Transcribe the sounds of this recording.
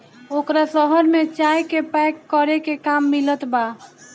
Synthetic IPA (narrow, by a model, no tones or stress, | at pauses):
okɾasəɦəɾmet͡ʃajkepɛkːəɾekekamːilət̪ba